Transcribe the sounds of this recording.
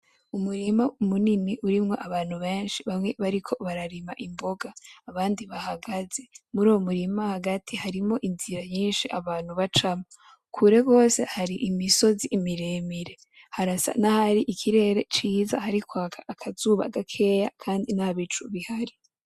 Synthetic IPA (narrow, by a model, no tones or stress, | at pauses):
umuɾimaumuniniʔuɾimŋo̞ʔaβaːn̥huβe̞ːnʃiβamŋe̞βaɾikʰo̞βaɾaɾimaʔimbo̞ɡaːβaːndiβahaɡaze̞muɾuːwomuɾimahaɡatʰihaɾimo̞ʔinziɾaɲiːnʃiʔaβaːn̥huβat͡ʃamo | kʰuɾe̞ɡo̞ːse̞̰haɾiʔimiso̞ziʔːmiɾeːmiɾe̞ | haɾasa̰nahaɾiʔikʰiɾe̞ɾe̞t͡ʃiːza̰haɾikwaːkʰḁːkʰazuːβa̰ɡakʰe̞ːjakʰaːndinaβit͡ʃuβihaɾi